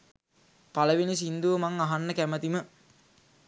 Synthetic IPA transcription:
paləʋinis̬ind̪uʋəmaŋaɦanːəkæmət̪imə

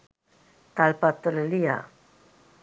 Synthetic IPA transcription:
t̪alpat̪olelia̰

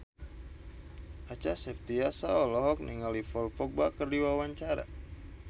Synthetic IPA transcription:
at͡ʃasɛp̚t̪iasaɔlɔɦɔk̚niŋalifɔlpɔk̚bakərdiwawaɲt͡ʃaɾa̰

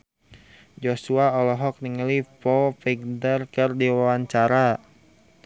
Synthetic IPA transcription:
d͡ʒosuaɔlɔɦɔk̚niŋəlipɔfiɡ̚dərkɨrdiwawaɲt͡ʃaɾa

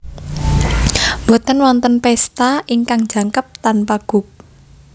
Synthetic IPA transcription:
mbo̤t̪ənwɔnt̪ənpɛst̪aʔiŋkaŋ̥d͡ʒ̥a̤ŋkəp̚t̪anpaɡ̥ʊ̤k̚

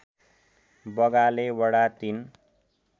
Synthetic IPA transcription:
bʌɡalewʌɽat̪in

